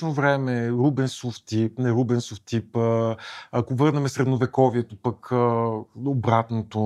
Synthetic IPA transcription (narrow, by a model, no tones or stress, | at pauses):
novɾɛmɛɾubɛnsoft̪ip̚nɛɾubɛnsoft̪ipəakovɤɾnɛmɛsɾɛd̪novɛkɔviɛt̪opəkəobɾat̪not̪o